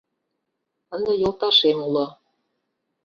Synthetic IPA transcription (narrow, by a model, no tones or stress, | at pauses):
ɤ̆nd̪ɤ̆jolˠt̪ɑʃemulɤ̆